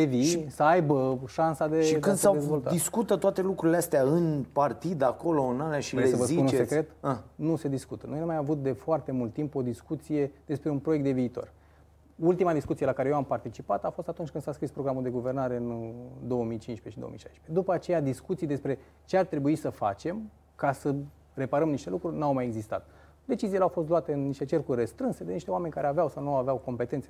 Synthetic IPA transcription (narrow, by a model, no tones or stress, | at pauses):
eviʃisəajbəʃansad̪eʃikɨnd̪ssawd̪ezvo̞lt̪a̰d̪iskut̪ət̪oat̪e̞lukɾuɾileast̪eaɨnpart̪id̪ako̞loɨnalaʃiesəvəsiununsekɾe̞t̪anuse̞d̪iskut̪ənojnumajavut̪̚d̪e̞foart̪e̞mult̪ːimpo̞d̪iskut̪sije̞d̪̥e̞spɾe̞unpɾojekt̪d̪e̞viːt̪o̞̰r | ult̪imad̪iskut̪sije̞lakaɾejewampart̪it͡ʃipat̪afost̪at̪unt͡ʃʲkɨnd̪̥saskɾispɾo̞ɡɾamuld̪e̞ɡuve̞rnaɾe̞ɨnd̪o̞wəmijt͡ʃinʃpe̞ʃid̪o̰o̰mḭʃajʃpe̞d̪upəat͡ʃe̞jad̪iskut̪sijd̪e̞spɾe̞ | t͡ʃe̞art̪ɾe̞buisəfa̰t͡ʃe̞m | kasə | re̞paɾəmniʃt̪e̞lukɾurʲnawmajeɡzist̪a̰t̪ | d̪e̞t͡ʃizijileawfo̞st̪loat̪eɨnniʃt̪e̞t͡ʃe̞rkurʲrest̪ɾɨnse̞d̪e̞niʃt̪e̞oame̞nʲkaɾe̞aveawsawnuaveawko̞mpe̞t̪e̞nt̪se